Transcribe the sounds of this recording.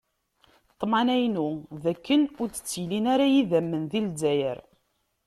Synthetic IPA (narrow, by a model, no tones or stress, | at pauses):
t̪ˤːmɑnæjnuðækːənʊɾt͡sːə̥t͡sːjlinaɾajiðæmːənðild͡zæjə̰ɾ